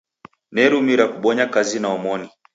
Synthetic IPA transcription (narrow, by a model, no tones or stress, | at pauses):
nɛɾumiɾakuɓɔɲakazinaɔmɔni